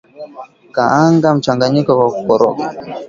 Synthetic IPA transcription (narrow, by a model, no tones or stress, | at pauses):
kaaŋɡam̩t͡ʃaŋɡaɲikɔkwakukɔɾɔ̰ka